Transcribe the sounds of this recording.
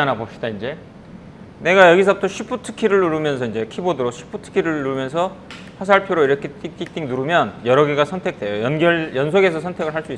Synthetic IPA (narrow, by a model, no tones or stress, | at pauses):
anabop̚ɕ͈id̥aind͡ʑe̞ | ne̞ɡajʌɡis̬ʰʌb̚t͈ʰʌɕʰipʰutʰɯ̥kʰiɾɯɭːuɾumjʌnsʰʌind͡ʑe̞kʰibodɯɾoɕʰi̥pʰutʰɯ̥kʰiɾɯɭːumjʌnsʰʌ | ɸwas̬ʰaɭpʰjoɾoiɾʌkʰetit͈ik̚t͈ʰiŋnuɾumjʌnjʌɾʌɡeɡasʰʌntʰe̞k̚t͈we̞jojʌnɡjʌɭjʌnsʰoɡe̞sʰʌsʰʌntʰeɡɯɭɦaɭs͈uis͈